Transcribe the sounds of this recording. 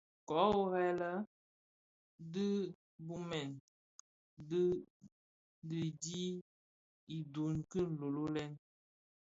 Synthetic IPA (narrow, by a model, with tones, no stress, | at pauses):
kɔ˨˦o˦ɣɛ˦lə˦ | dɨ˦ | bu˦mɛ˨n | d | dɨ˦di˦ | i˨du˨nkɨ˦n̩˨lo˨lo˦lɛ˦n